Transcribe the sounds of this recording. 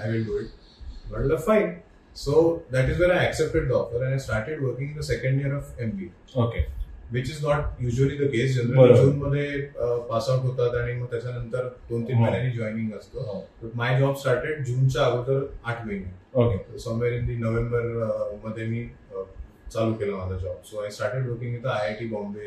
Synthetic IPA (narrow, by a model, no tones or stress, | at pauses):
ajʋilɖuiʈ̚ | bɔʈləfãɪn | sod̪æʈizʋɛ̃naæksep̚ʈeɖ̚ɖɔfəɾɛ̃nasʈaɾʈeɖʋəɾkĩŋɡĩnd̪əsekə̃ɳɖiəɾɔʋembi | okeʋit͡ɕiznɔʈ̚juːʒʋəlid̪əkes̬d͡ʑənɾəd͡ʒuːnməd̪ʱːjepasãʈɦot̪at̪aɽ̃iməɡ̚t̪jat͡ɕjanənt̪əɾt̪ont̪iːnbeɾjãnid͡ʑɔinĩŋɡəst̪obəʈmajd͡ʑɔbsʈaɾʈeɖ̚d͡ʑuːnt͡saːɡut̪əɾaʈʰʋeniokt̪osəmʋeɾĩnd̪inoʋẽmbəɾməd̪ʱːjemiː | t͡salukelamad͡zʱad͡ʑɔb̚soajsʈaɾʈeɖʋəɾkĩŋɡjet̪əaɦekibɔ̃mbe